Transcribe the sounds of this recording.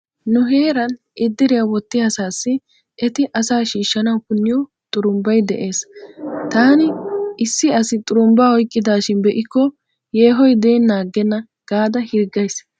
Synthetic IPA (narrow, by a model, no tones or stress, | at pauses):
nʊɦe̞ːɾɐn | ʔɪd̪ːɪɾɪjawɔt̪ːɪjasaːsːɪ | ʔɛt̪ɪʔɐsaːʃiːʃːɐnɐwkʊnːɪjɔ | t̪ʼʊɾʊmbɐjd̪ɛʔe̞ːst̪aːnɪɪsːɪɐsɪt̪ʼʊɾʊmbaːhɔjkʼːɪd̪aːʃɪnbɛʔɪkːɔ | je̞ːɦɔjd̪eːnːaːɡːɛnːɐ | ɡ̥aːd̪ɐhɪɾɡːɐjs